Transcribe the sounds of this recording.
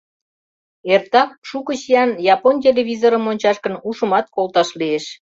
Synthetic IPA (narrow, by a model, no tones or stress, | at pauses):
ert̪ɑk̚ʃukəɕijɑnjɑponʲt̬ʲeleβʲizoɾəmonʲt͡ɕɑʃkənuʃəmɑt̪̚kolt̪ɑʃlieʃ